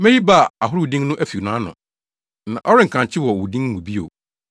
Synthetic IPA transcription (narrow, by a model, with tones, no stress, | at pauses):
mɛ̃˦ji˦ba˦˨a˨ɦʊ˦ɾwu˨dĩ˦ŋnʊ̃˦ʔæ˦fi˨u˨nãː˦nʊ̰̃˨ | nã̰˨ʔɔ˦ɾɪ̃˦ŋ̩˨kʰã˨ɲt͡ɕʰɪ˦wɔ˨wu˨dĩ˦ŋ˦mũ˨bi˦o̰˨